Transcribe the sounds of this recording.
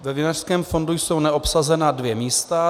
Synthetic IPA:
vɛvɪnar̥skɛːmfo̞ndujso̞wnɛʔo̞psazɛnadvjɛmiːst̪a

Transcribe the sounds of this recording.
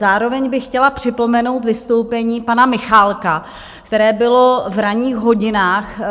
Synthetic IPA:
aːɾo̞vɛɲbɪxxcɛlapr̝̥ɪpo̞mɛno̞wt̪vɪst̪o̞wpɛɲiːpanamɪxaːlka | kkt̪ɛɾɛːbɪlo̞vɾaɲiːxɦo̞ɟɪnaːx

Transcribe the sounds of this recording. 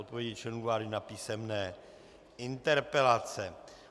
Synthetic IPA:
ot̪̚povjɛɟɪt͡ʃɛnuvaːɾɪnapiːsɛmnɛː | ʔɪnt̪ɛɾpɛlat͡sɛ

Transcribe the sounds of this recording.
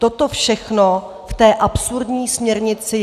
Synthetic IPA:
t̪o̞t̪o̞fʃɛxno | ft̪ɛːʔapsuɾdɲiːsmɲɛɾɲɪt͡sɪ

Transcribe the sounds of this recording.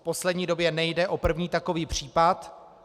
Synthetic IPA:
po̞slɛdɲiːdo̞bjɛnɛjdɛʔo̞pr̩vɲiːt̪ako̞viːpr̝̥iːpat̪

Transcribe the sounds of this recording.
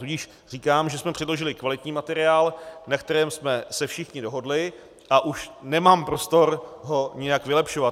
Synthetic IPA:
t̪uɟɪʃ | r̥iːkaːmʒɛsmɛpr̥ɪdlo̞ʒɪlɪkvalɪt̪ɲiːmat̪ɛɾɪaːlnakt̪ɛɾɛːmsmɛsɛfʃɪxɲɪdo̞ɦo̞dlɪ | ʔaʔuʃnɛmaːmpɾo̞st̪o̞ɾɦo̞ɲɪjakvɪlɛpʃovat̪

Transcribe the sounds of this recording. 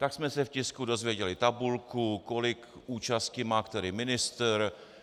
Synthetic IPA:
t̪aksmɛsɛfcɪskudo̞zvjɛɟɛlɪt̪abulkuko̞lɪk | ʔuːt͡ʃascɪmaːkt̪ɛɾɪmɪnɪst̪ɾ

